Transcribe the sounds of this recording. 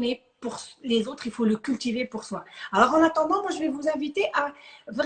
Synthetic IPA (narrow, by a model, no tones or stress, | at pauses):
ne | puʁslezot̪χilfoləkʲylt̪ivepuʁswaalɔʁɑ̃nat̪ɑ̃d̪ɑ̃mwaʒəvɛvuzɛ̃vit̪eʔavʁ